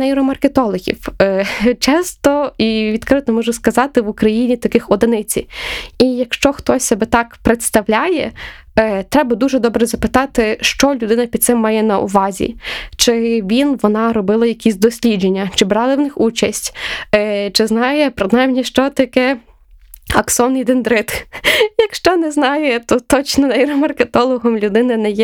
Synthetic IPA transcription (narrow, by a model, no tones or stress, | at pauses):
ɐiɾɔmɐrket̪ɔlˠɔɣʲḭw | t͡ʃɛst̪ɔiʋʲid̪kɾɪt̪ɔmɔʒʊskɐzɑt̪ɪʋukɾɐjinʲit̪ɐkɪxɔd̪ɪnɪt͡sʲḭijɐkʃt͡ʃɔxt̪ɔsʲsɛbɛt̪ɑkpɾet̪st̪ɐʋlʲajɛ̰ | t̪ɾɛbɐd̪uʒɛd̪ɔbɾɛzɐpɪt̪ɑt̪ɪʃt͡ʃɔlʲʊd̪ɪnɐpʲid̪̚sɪmːɑjɛnɐʊ̰ʋɑzʲḭt͡ʃɪʋʲinʋɔnɑɾɔbɪlˠɐjɐkʲisʲd̪ɔsʲlʲid͡ʒenʲːɐt͡ʃɪbɾɑlˠɐwnɪxut͡ʃɐsʲtʲː | t͡ʃɪznɑjɛpɾɪnajmnʲiʃt͡ʃɔt̪ɐkɛ | ɐksɔnɪjd̪end̪ɾɪt̪jɐkʃt͡ʃɔnɛznɑjɛt̪ɔt̪ɔt͡ʃnɔnɐiɾɔmɐrket̪ɔlˠɔɦɔmlʲʊd̪ɪnɐnɛjɛ